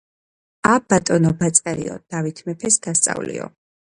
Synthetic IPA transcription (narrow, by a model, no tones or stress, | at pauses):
abat̪ʼɔnɔbat̪sʼɛɾḭɔ̰d̪̥avit̪ʰmɛpʰɛsd̪ast̪sʼa̰vlḭɔ̰